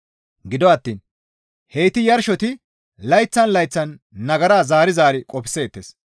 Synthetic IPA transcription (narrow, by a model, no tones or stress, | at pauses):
ɡɪd̪ɔɐt̪ːiːn | hejt̪ɪjɐɾʃɔt̪ɪ | lɐjt͡sːɐnlɐjt͡sːɐnː | ɐɡɐɾaːzaːɾɪzaːɾɪkʼɔpɪ̥sːeːt̪ːeːs